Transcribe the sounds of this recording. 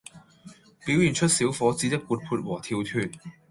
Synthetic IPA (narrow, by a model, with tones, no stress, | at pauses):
piː˨˥wjyː˨˩nt͡ʃʰɵ˥t̚siː˨˥wfɔː˨˥t͡siː˨˥t̪ɐ˥k̚kuː˨˧t̚pʰuː˧t̚wɔː˨˩t̪ʰiː˧wt̪ʰyː˧n̚